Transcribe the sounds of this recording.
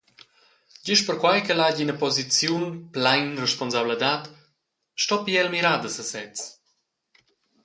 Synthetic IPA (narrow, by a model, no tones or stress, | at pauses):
ɟiʃpəɾkwajkəlaɟinəpɔzit͡sjunplajnrɛʃpɔnzabləd̪at̪ | ʃtɔpiɛlmiɾad̪əsəsɛt͡s